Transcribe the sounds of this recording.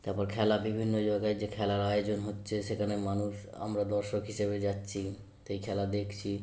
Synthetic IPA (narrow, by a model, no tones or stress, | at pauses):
t̪aɾpɔɾkʰɛlabibʱinːod͡ʑaɡajd͡ʑekʰɛlaɾajod͡ʑonɦotːɕʰeʃekʰanemanuʃ | a̰mɾad̪ɔɾʃokɦiʃeβed͡ʑatːɕʰi | ʃejkʰɛlad̪ekʰt͡ɕʰi